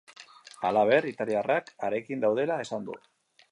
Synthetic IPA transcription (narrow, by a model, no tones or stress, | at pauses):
a̰laβe̞rit̪aliarakaɾe̞kind̪awð̞e̞lae̞sand̪ṵ